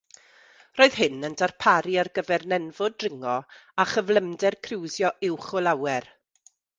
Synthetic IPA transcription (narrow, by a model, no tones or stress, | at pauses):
roːɨð̥ɦɪnəndʰarpʰaɾiarɡəvɛrnɛnvʊdrɪŋɔaχəvlˠəmdɛrkʰrɪwzjɔʔɪwχʊlˠawɛr